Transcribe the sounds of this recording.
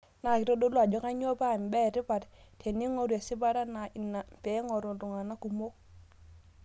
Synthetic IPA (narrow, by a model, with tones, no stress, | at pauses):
na˨ki˨ɾo˦do˦lu˦a˨d͡ʒɔ˦ŋa˦ɲ˦o˦ba˦˨m˨bɛ˦˨ɾi˦ba˨ɾtʰe˨ni˦ŋo˦ɾu˨e˨si˦ba˦ɾa˦na˨i˨na˨m˨pɛ˨˦ŋo˨ɾu˨du˨ŋa˨na˦ku˨mo˦